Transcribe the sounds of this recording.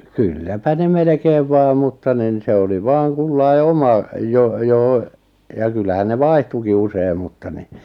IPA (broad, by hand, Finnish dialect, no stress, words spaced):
kylːæpæ ne melĕkeːʋ ʋɑː mutːɑ nin se oli ʋɑːŋ kulːɑi̞ omɑ jo joh̆ŏ jɑ kylːæhæn ne ʋɑihtuki usei̞m mutːɑ ni